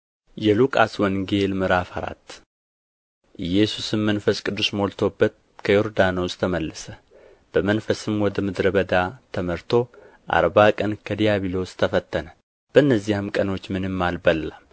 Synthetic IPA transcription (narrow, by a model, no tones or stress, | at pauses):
jɛlukʼaswɔnɡe̞lmɨɾafaɾa̰t̪ː | ʔɨjɛsusɨmːənfəskʼɨd̪ːusmolt̪ʰo̞bːət̪̚ | kʰəjoɾd̪anost̪ʰəməlːəsə | b̥əmənfəsɨmwɔd̪əmɨd̪ɾəβəd̪at̪ʰəməɾt̪ʰo̞ | ʔa̰ɾbakʼənkʰəd̪ijaβilo̞st̪ʰəfət̪ʰːənə | b̥əɨnːəzːihɨmkʼəno̞t͡ʃːmɨnɨmːalbəlːam